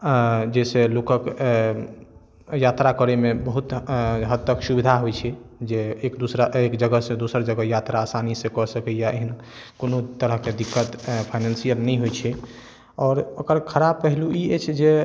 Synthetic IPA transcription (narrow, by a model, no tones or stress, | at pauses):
d͡ʒeselokək | jat̪ɾakəɾemebəɦut̪ɦəd̪ːəksubid̪ʱaɦojt͡ʃʰɛd͡ʒeekd̪usɾaekd͡ʒəɡəɦsẽd̪usəɾd͡ʒəɡəjat̪ɾaːsanisẽkɔsəkɛjaeɦən | konot̪əɾəɦked̪ikːət̪pʰaɪnənsijəlnɛɦojt͡ʃʰɛ | ɔːɾokəɾkʰəɾab̚pəɦiluiet͡ʃʰd͡ʒe